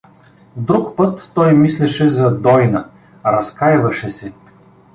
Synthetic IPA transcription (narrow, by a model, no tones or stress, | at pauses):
d̪ɾukpɤt̪ːɔjmislɛʃɛzɐd̪ɔjnɐ | ɾɐskajvɐʃɛsɛ